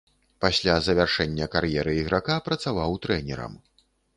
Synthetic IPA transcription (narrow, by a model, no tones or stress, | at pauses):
pasʲlʲazɐvʲarʂɛnʲːɐkaɾjɛɾɨiɣɾakapɾɐt̪savawt̪ɾɛnʲɛ̰ɾɐ̰m